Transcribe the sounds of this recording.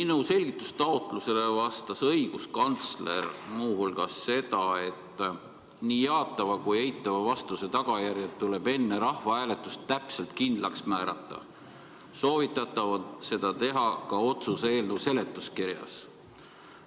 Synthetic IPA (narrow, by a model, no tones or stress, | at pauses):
minuse̞lʲɡ̥it̪ːˑu̥st̪ɑot̪ˑluse̞le̞vɑst̪ɑsɤjɡ̥uskɑnt̪sle̞̰rmuːhulɡ̥ɑsːe̞d̪̥ɑe̞t̪ːˑ | niːjɑːt̪ːˑɑvɑkuje̞jt̪ːˑɑvɑvɑst̪use̞t̪ɑɡ̥ɑjæɾjet̪ːule̞be̞nːeɾɑhvɑæːle̞t̪ˑːust̪ːæpse̞lt̪̚kind̪̥lɑksmæːɾɑt̪ˑːɑ̰ | so̞ːvit̪ːˑɑt̪ːˑɑvɑse̞d̪̥ɑt̪e̞ɦɑkɑo̞t̪suseːlnəwse̞le̞t̪ːˑuskiɾjɑ̰s